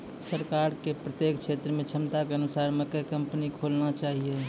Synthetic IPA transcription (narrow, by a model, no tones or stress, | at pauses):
səɾkaːɾkepɾət̪jeːkkʃʰeːt̪ɾəmẽt͡ʃʰəmt̪akeənʊsaːɾmẽkəkɐ̃mpnikʰoːlnat͡ʃaːɦie